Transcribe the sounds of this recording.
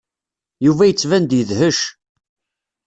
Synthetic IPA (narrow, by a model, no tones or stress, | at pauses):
juvæjət͡sːvænd̪jəðhəʃ